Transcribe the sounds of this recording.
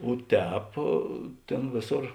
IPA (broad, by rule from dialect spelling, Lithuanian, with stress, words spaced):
oː ˈtʲɛːp ˈtʲeːn ˈʋʲeːˌsoːr